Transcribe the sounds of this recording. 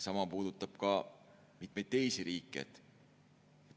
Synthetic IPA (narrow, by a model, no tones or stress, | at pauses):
sɑmɑpuːd̪̥ut̪ːˑɑb̥kɑ | mit̪̚mejd̪̥̚t̪ːe̞jsiɾiːkːˑieḛt̪ | e